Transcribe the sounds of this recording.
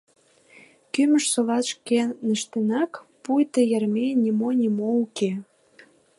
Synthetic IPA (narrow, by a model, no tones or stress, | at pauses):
kymə̆ʃsolɑt̪ʃkenə̆ʃt̪enɑkpujt̪əjɑrmenʲimonʲimouke